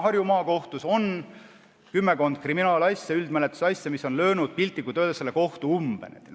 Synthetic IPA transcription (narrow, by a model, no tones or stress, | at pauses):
ɦɑrjumɑːko̞ht̪uso̞n | kymːe̞ko̞nd̪̥̚kriminɑːlɑsʲjɑyld̪mælet̪ːˑu̥sɑsʲjɑmiso̞nlø̞ːnud̪̥̚pilʲt̪ːˑikːˑut̪ød̪eselːeko̞ht̪uumb̥enḛt̪ː